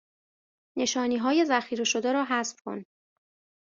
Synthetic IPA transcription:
ne̞ʃɒːniːɦɒːje̞zæxiːɾe̞ʃo̞d̪eɾɒːɦæsfkʰo̞̰n

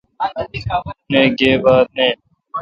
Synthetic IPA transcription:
nẽːɡeːbaːd̪̚nẽː

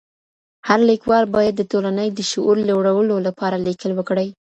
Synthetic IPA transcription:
haɾlikwɑlbɑjad̪ːət̪olanəjd̪ːəʃʊʔuɾlawɽawəlolapɑɾalikəlwəkɽəj

